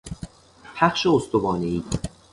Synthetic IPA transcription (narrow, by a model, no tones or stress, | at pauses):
pʰæχʃeost̪obɒːneiːd̪